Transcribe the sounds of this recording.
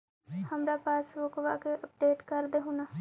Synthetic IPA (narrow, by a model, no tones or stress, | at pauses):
həmɾaːpaːsʋokʋaːkeʔəp̚ɖeːʈkəɾd̪eːɦunaː